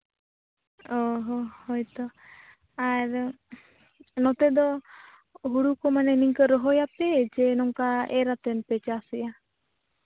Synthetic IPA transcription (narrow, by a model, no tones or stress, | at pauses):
ɔɦɔhɔjt̪ɔ | aɾ | nɔt̪ɛd̪ɔ | ɦuɽukɔmanɛniŋkɔɾɔɦɔjapɛd͡ʒɛnɔŋkaɛɾat̪ɛnpɛt͡ʃasija